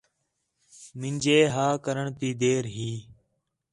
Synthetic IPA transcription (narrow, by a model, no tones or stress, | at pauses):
mɪ̃nʲd͡ʒeːɦaːkəɾəɳt̪iːd̪eːɾɦiː